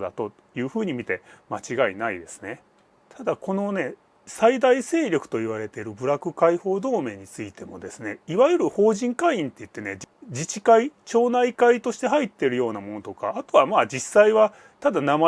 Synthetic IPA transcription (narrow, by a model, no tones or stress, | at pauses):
d̪a̰t̪o̞ | jɯ̟ːɸɯ̟ːɲ̟imʲit̪e̞mat͡ɕiɡainaḭd̪e̞sɨ̥ne̞ | t̪ʰad̪ako̞no̞ne̞ | said̪aise̞ːɾʲo̞kɯ̟̥t̪o̞iβ̞aɾe̞t̪e̞ɾɯ̟bɯ̟ɾakɯ̟kaiho̞ːd̪o̞ːme̞ːɲ̟it͡sɨit̪e̞mo̞̰d̪e̞sɨne̞iβajɯ̟ɾɯ̟ho̞ːʑĩŋkaiĩnt̪ːe̞i̟t̪ːe̞ne̞d͡ʑit͡ɕikait͡ɕo̞ːnaikait̪o̞ɕi̥t̪e̞ɦait̪ːeɾɯ̟jo̞ːnamo̞no̞t̪o̞kaːt̪o̞βamaːd͡ʑisːaiβa | t̪ad̪anama